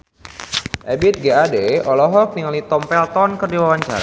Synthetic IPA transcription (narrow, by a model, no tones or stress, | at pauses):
ʔɛbit̪̚ɡeadeɔlɔɦɔk̚niŋalit̪ɔmpɛlt̪ɔnkərdiwawaɲt͡ʃa̰ɾa